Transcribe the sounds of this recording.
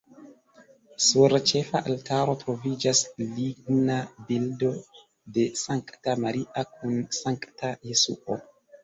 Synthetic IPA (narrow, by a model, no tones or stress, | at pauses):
suɾt͡ʃe̞faʔaltaɾo̞tɾo̞vid͡ʒasliɡ̚nabildo̞ | de̞saŋktamaɾiʔak̚ʰunsaŋktaje̞sṵʔo̰